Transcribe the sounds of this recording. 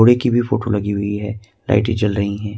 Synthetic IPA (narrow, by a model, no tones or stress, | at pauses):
oːɽekibʱifoːʈolɐɡiɦʊiɦɛː | la̰ːɪʈẽt͡ʃɐlɾɐɦiɦɛ̃ː